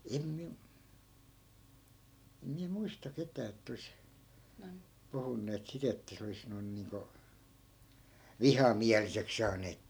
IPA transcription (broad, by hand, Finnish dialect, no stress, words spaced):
em miæ em miæ muistɑ ketæː etː ois puhunːeːt sit etːæ se olis noi̯n niːŋko ʋihɑmiælisek sɑːneːt